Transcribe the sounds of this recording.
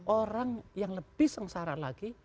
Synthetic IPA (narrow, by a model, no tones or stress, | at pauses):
ʔoɾaŋjaŋləb̥ɪhsəŋsaɾalaɡ̥i